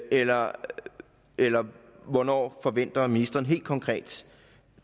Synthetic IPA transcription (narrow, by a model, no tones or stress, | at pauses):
elɐ | elɐʋɒnɒ̰ːfɒ̽ʋen̰d̥ɐminisd̥ɐːn̩ɦe̝̰ːld̥kʰɒ̽ŋkʰʁɛ̰ːd̥